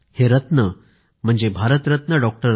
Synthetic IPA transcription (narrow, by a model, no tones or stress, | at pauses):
heɾət̪nə | m̤əɳd͡zebʱaɾət̪ɾət̪nəɖɔk̚ʈəɾ